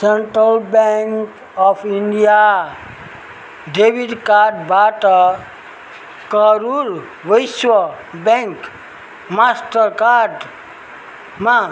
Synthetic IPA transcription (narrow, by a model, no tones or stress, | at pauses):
sẽɳʈɾəlbɛŋk | ɔpʰiɳɖija | ɖebiɖkaʈbʱaʈə | kəɾuɾ | ʋəjsʋə | bɛ̃ŋk | masʈəɾkaːɖ | mã